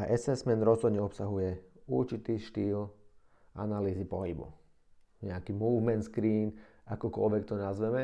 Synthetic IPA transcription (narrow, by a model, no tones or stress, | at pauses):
aʔɛsɛsmɛnɾɔzɦɔd̪ɲɛɔpsaɦujɛṵɾt͡ʃit̪iːʃt̪iːl | ʔa̰naliːzipɔɦibṵ | ɲɛakimuːvmɛnt̪skɾiːn | akɔkɔlʋɛkt̪ɔnazʋɛmɛ